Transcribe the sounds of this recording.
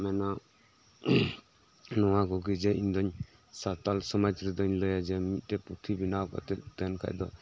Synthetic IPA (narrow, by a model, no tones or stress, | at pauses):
mɛna | nɔwaɡɔɡid͡ʒɛind̪ɔɲ | sat̪alsɔmad͡ʒɾid̪ɔɲlɔjad͡ʒɛmit̪̚tɛput̪ʰibinawkɔ̰t̪ɛd̪enkʰa̰jd̪ɔ